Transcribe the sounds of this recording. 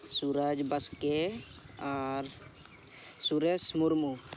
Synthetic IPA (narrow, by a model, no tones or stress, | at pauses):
suɾad͡ʒbɐske | aɾ | suɾesmuɾmu